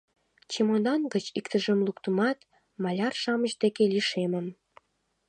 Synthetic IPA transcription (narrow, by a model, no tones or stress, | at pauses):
t͡ɕemonɑnɡət͡ɕikt̪əʒəmlukt̪əmɑt̪ | mɑlʲɑrʃɑməʑd̪ekeliʃeməm